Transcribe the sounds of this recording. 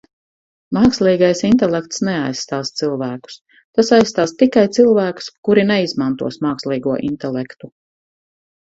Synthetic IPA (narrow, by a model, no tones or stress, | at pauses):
maːkslˠiːɡajsint̪ɛlɛk̚t̪snɛajssːt̪aːst̪silˠvæːku̥s | t̪asajst̪aːst̪ikajt̪silˠvæːku̥skuɾinɛizmant̪ṵɔsmaːkslˠiːɡuɔʔint̪ɛlˠɛkt̪u